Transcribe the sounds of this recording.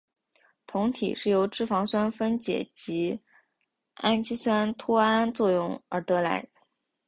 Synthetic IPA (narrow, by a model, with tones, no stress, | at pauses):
t̪ʰʊ˧˥ŋt̪ʰḭ˨˩ʂɻ̩˥˩jo˧˥ʊʈ͡ʂɻ̩˥˩fɑ˧˥ŋɕa˥nfə˥nt͡ɕjɛ̰˨˩t͡ɕi˧˥ | a˥nt͡ɕi˥ɕwa˥nt̪ʰu˥a˥nt͡swɔ˥˧jʊ˥˩ŋə̰˞˧˥t̪ɤ˧˥la̰˧˥ɪ